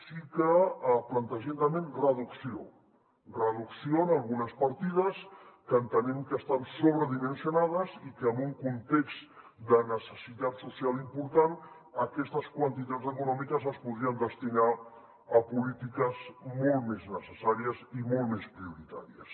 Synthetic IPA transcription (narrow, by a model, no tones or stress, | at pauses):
sikəplənt̪əʒent̪əmẽnrəðuksio | rəðuksionalˠɣunəspəɾt̪iðəskənt̪ənɛmkəst̪ansoβɾəðimənsijunað̞əzikəːmbuŋkunt̪ekzt̪ | d̪ənəsəsit̪at̪susialˠimpuɾt̪an | əkɛst̪əskwənt̪it̪azəkunɔmikəzəspuðɾiənd̪əst̪ina | əpulit̪ikəzmolˠmeznəsəsaɾiəzimolˠtmespɾiuɾit̪a̰ɾiəs